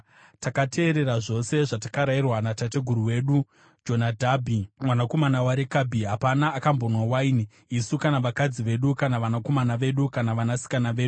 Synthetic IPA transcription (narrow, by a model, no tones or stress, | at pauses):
takatʰe̞ːɾe̞ɾaʐo̞se̞ʐatḁkaɾairwanatate̞ɡʱuɾuwe̞ɗu | d͡ʒo̞nadʱabʱimwanako̞manawaɾekabʱiɦapanaːkambo̞nwawaini | isukanaʋakad͡ziʋe̞ɗukanaʋanako̞manaʋe̞ɗukanaʋanasi̥kanaʋe̞ːɗu